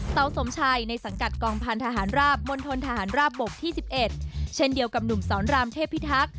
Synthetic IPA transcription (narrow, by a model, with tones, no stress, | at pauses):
sa˩˦wso˨˩˦mt͡ɕʰaː˧jna˧jsa˩˦ŋka˨˩t̪̚kɔː˧ŋpʰa˧nt̪ʰaː˧ɦaː˩˦nɾaː˥˩p̚mo˧nt̪ʰo˧nt̪ʰaː˧ɦaː˩˦nɾaː˥˩p̚bo˨˩k̚t̪ʰiː˥˩si˨˩p̚ʔe˨˩t̪̚t͡ɕʰe˥˩ndi˧əwka˨˩p̚nu˨˩msɔː˩˦nɾaː˧mt̪ʰeː˥˩pʰːi˦˥t̪ʰa˦˥k̚